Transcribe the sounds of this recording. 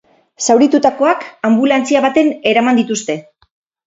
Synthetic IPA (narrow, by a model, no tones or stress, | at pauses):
sawɾit̪ut̪ako̞akambulant͡siaβat̪e̞ne̞ɾamand̪it̪ust̪e̞